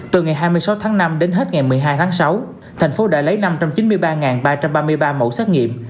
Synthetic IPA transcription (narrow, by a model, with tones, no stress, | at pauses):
t̪ɨ˨˩ŋa˨˩jɦaː˧jmɨ˧əjsa˨˦wt̪ʰaː˨˦ŋna˧mɗe˨˦nɦe˦˥t̚ŋa˨˩jmɨ˨˩əjɦaː˧jt̪ʰaː˨˦ŋsa˨˦w | t̪ʰɛ˨˩ŋ̟fo˨˦ɗa̰ː˧lə˨˦jna˧mt͡ɕa˧mt͡ɕi˨˦nmɨ˧əjɓaː˧ŋaː˨˩nɓaː˧t͡ɕa˧mɓaː˧mɨ˧əjɓaː˧mo̰˧˩sɛː˦˥t̚ŋḭ˧˨əm